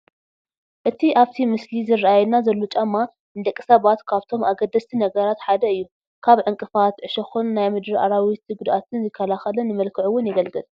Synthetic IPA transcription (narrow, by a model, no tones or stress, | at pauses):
ʔɨt̪ʰiʔaβt̪ʰimɨslizɨrːajɛnazɐlːot͡ʃʼamːa | ɨnd̪ɐkʼːi̥sɐβat̪kʰaβt̪ʰo̞mʔaɡɐd̪ːɐst̪ʰinɐɡɐɾat̪ħad̪ɐɨjːu | kʰaβʕɨŋkʼɨfat̪ʕɨʃɐxunːajmɨd̪ɾiʔa̰ɾawit̪ɡʊd̪ʔat̪ʰɨnzɨkʰːɐlaxɐlɐnɨmɐlkʰɨʕuwːʊnjɛɡɐlɡɨlʼ